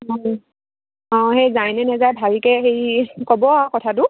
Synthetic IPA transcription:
ɔ | ɔ̃xejzajnɛnɛzajbʱalikɛxejkɔbɔakɔtʰat̬ʊ

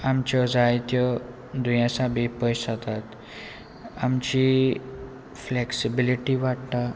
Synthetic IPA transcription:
amt͡ɕɔd͡zajt̪jɔ | d̪ujãsabipəjsat̪at̪ | amt͡ɕi | fleksibiliʈiʋaʈt̪a

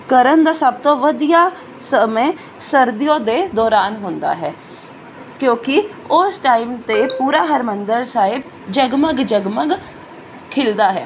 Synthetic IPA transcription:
kəɾənd̪aːsəb̚t̪õːʋəd̪ijaː | səme | səɾd̪ɪjõːd̪eːd̪ɔːɾaːnɦʊnd̪a̰ːɦɛː | kjõːkɪʊsʈaːimt̪eːpuːɾaːɦəɾmənd̪əɾsaːɦɪb | d͡ʒəɡməɡd͡ʒəɡməɡ | kʰɪld̪aːɦɛ̰ː

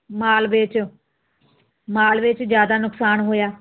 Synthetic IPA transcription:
maːlʋɪt͡ʃ | maːlʋɪt͡ʃd͡ʒjaːd̪aːnʊksaːnɦoːjaː

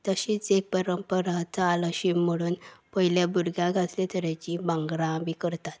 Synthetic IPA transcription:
t̪əɕiːt͡sek̚pəɾəmpəɾat͡saləɕimːəɽuːnpəɦiljãbuɾɡjãɡʱaslet̪əɾjat͡ɕĩbãŋɡɾãmikəɾt̪at̪

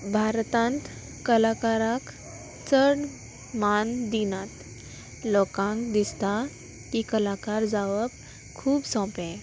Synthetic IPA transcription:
bʱaɾt̪ãnt̪ | kəlakaɾak | t͡səɽ | mand̪inat̪ | lɔkãŋkd̪ist̪a | kikəlakaɾd͡zaʋəp | kʰuːbsɔ̃pɛ̃

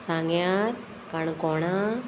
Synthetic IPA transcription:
saːŋɡjaːɾ | kaːɳɨkoːɳaː

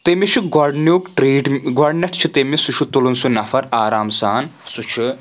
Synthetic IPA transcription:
t̪emit͡ʃʰuɡɐɾɖnuːkʈɾiːʈɡaɾɖnɐʈʰt͡ʃʰit̪emisuʃʰut̪ulunsunɐfɐɾaːɾaːmsaːnsut͡ʃʰi

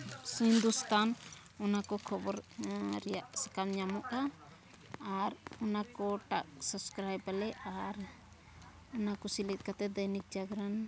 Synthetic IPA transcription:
shind̪ust̪an | ɔnakɔkʰɔbɔɾɾɛjaʔsəkamɲamɔʔkaː | ɾɔnakɔʈaʔ̚səbskɾajbalɛʔaɾ | ɔnakɔsilit̪̚ˀkat̪ɛd̪ajnik̚d͡ʒaɡɾan

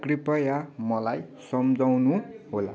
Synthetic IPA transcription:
kripʌjamʌlaj | sʌmd͡zawnuɦola

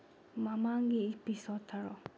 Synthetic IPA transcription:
mamaŋɡiipisɔt̪ʰːaɾɔ

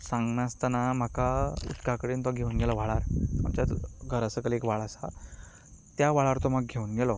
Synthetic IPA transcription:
sãŋɡnast̪ənam̤akaṵt̪kakəɽiːnt̪aɡʱeuːnɡɛlɔʋaɭaɾt̪a̰mt͡ɕjat̪ɡʱəɾəsəkəlekʋaɭasa̰ | t̪jaʋaɭaɾt̪ɔm̤aɡɡʱeuːnɡɛlɔ

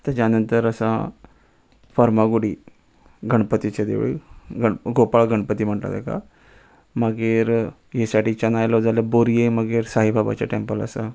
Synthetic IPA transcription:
t̪jat͡ɕjanənt̪əɾəsã | faɾmaɡuɽiː | ɡʱəɳpət̪it͡ɕad̪ḛʋɭḭɡəɳɡopaɭɡʱəɳpət̪iːm̤əɳʈla̰t̪eka̰ | məɡeɾ | jesaʈiːt͡ɕanajlɔd͡zʱaləboɾijejməɡeːɾsaɦibʱaba̰t͡ɕa̰ʈempələ̰sa

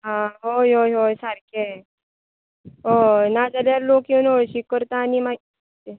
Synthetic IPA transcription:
ɦaɦojɦoːjɦojsaɾkʰe | onad͡ʒəljaɾloːkjonoʃikːəɾt̪anima | te

